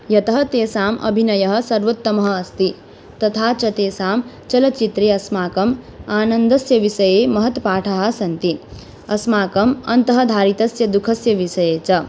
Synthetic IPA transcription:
jɐt̪ɐɦɐt̪eːsaːmɐ̰bʱinɐjɐɦɐ̆sɐɾʋɐt̪ːɐmɐɦɐ̆ːst̪i | t̪ɐt̪ʰaːt͡ʃɐt̪eːsaːm | t͡ʃɐlɐt͡ʃit̪ɾeːɐsmaːkɐm | aːnɐnd̪ɐsjɐʋisɐjeːmɐɦɐt̪ɐpaːʈʰɐɦɐ̆sɐnt̪i | ɐsmaːkɐmɐ̰nt̪ɐɦɐd̪ʱaːɾit̪ɐsjɐd̪ukʰɐsjɐʋisɐjeːt͡ʃɐ

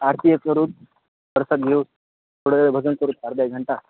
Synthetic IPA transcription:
aɾt̪ʰiəkəɾuːt̪̚ | d̪əɾsat̪̚ɡʱeus | t̪ʰoɽbʱəd͡zənkəɾuːt̪̚paɾd̪ajɡʱəɳʈa

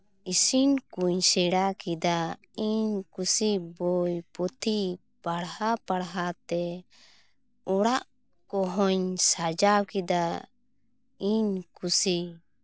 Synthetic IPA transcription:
isinkuɲsɛɽakid̪a | iɲkusibɔjpɔt̪ʰi | paɽhapaɽɦat̪ɛ | ɔɽaʔ | kɔɦɔɲsad͡ʒawkɛd̪a | iɲkusi

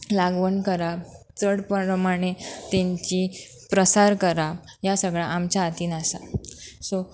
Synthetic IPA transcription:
laɡʋəɳkəɾa | t͡səɽpəɾəmaɽ̃et̪eɲt͡ɕi | pɾəsaɾkəɾa | jasəɡɭaʔamt͡ɕjaːt̪iːnasaso

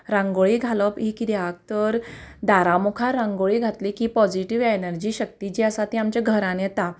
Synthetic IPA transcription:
ɾãŋɡoɭiːɡʱaləpɦikid̪eʋak̚t̪əɾd̪aɾamukʰaɾãŋɡoɭiːɡʱat̪likiːpɔd͡ʑiʈiʋenəɾd͡ʑiːɕək̚t̪id͡ʑiəsat̪iamt͡ɕaɡʱəɾãnjɛt̪a

